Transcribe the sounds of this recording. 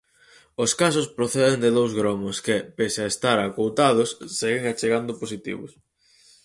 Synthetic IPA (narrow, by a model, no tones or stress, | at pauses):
oskas̬ʊspɾoθɛðend̪ɪðowzɣɾɔmoskɪpesaest̪aɾakowt̪aðʊsːeɣɪŋat͡ʃeɣand̪ʊposit̪ḭβʊ̰s